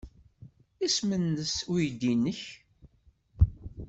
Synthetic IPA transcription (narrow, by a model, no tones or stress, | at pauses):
ismənːəsujd̪inːəç